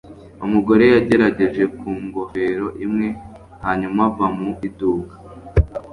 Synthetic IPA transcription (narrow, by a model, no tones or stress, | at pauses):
umuɡo̞ɾe̞jaɟe̞ɾaɟe̞ʒe̞kuːŋɡo̞ve̞ɾo̞ʔimŋe̞ | haːɲumavamuiduːɡḁ